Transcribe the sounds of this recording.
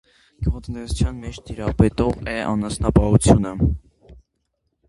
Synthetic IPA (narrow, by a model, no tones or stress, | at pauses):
ɡ̥ɔʁt͡s̪nɛsut͡sʰjɑnmɛt͡ʃt̪ʰiɾɑpɛt̪ɔʁɛʔɑ̰nɑsnɑpɑɦut͡sʰjunə